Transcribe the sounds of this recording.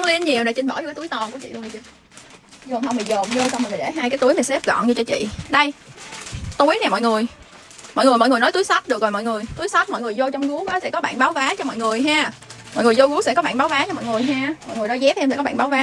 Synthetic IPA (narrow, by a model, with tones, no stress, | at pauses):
li˧ənɲi˨˩əwɗe˧˩t͡ɕï˧ŋ̟ɓɔ˧˩i˧kaː˨˦t̪u˦jt̪ɔ˨˩nku˧˩ət͡ɕḭ˧˨lu˧˩t͡ɕɨ˧˩ | zɨ˨˩ɦa˧wŋ͡mɓi˨˩jzo˨˩mzo˧t͡ɕɔ˧wm˨˩ŋma˨˩ɗe˧˩˦ɦaː˧jkaː˨˦jt̪u˨˦jmaː˨˩sɛ˦˥p̚ɣɔ̰˧˨nɲɨ˧t͡ɕɔ˧t͡ɕḭ˧˨ɗə˧j | t̪u˨˦əjnɛ˨˩mɔ̰˧˨jŋɨ˨˩əj | mɔ̰˧˨jŋ˨˩jmɔ̰˧˨jŋ˨˩nɔ˨˦jt̪u˨˦jsa˦˥t̚ɗɨ˨˩k̚zɔ˨˩mɔ̰˧˨jŋɨ˨˩əjt̪u˨˦əjsa˦˥t̚mɔ̰˧˨jŋɨ˨˩jzo˧t͡ɕɔ˧wŋ͡mku˨˦waː˨˦sɛ̰˧˥kɔ˨˦ɓa̰ː˧˨nɓaː˨˦wvaː˨˦t͡ɕɔ˧mɔ̰˧˨jŋɨ˨˩əjɦaː˧mɔ̰˧˨jŋɨ˨˩jzo˧ɣu˨˦sɛ̰˧˥kɔ˨˦ɓaː˧˨nɓaː˨˦wvaː˨˦t͡ɕɔ˧mɔ̰˧˨jŋɨ˨˩əjɦaː˧mɔ̰˧˨jŋɨ˨˩nɔ˨˦jzɛ˦˥p̪̚ɛ˧msɛ̰˧˥kɔ˨˦a̰ː˧˨nɓaː˨˦wvaː˨˦